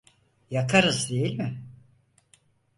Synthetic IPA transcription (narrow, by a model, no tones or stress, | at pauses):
jakʰaɾɯzd̪e̞jilʲmɪ